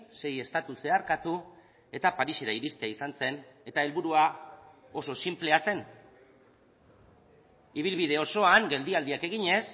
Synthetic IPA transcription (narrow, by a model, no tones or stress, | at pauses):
se̞je̞st̪at̪use̞aɾkat̪u | e̞t̪apaɾiseɾaiɾist̪eaisanse̞ne̞t̪ae̞lβuɾua | o̞so̞simple̞ase̞n | iβ̞ilβið̞e̞o̞so̞aŋɡe̞ld̪iald̪iake̞ɣiɲe̞s